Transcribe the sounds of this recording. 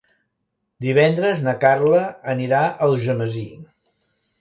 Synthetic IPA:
d̪iβɛnd̪ɾəznəkarləəniɾaʔəlˠʒəməzi

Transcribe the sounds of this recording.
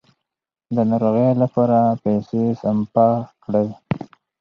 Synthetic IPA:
d̪ənaɾoɣelapɑɾapajsesampɑkɽaj

